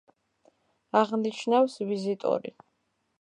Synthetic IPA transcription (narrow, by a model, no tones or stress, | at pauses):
aʁniʃʰnawsvizit̪ʼṵɾḭ